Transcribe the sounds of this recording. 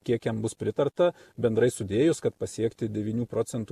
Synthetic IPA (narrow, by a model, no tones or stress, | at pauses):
kʲiɛkjɛmbʊspʲɾʲɪt̪ɐrt̪ɐbʲɛnd̪ɾɐɪsʊd̪ʲeːjʊskɐt̪̚pɐsʲiɛkt̪ʲɪd̪ʲɛʋʲiːnʲuːpɾoːtsʲɛnt̪u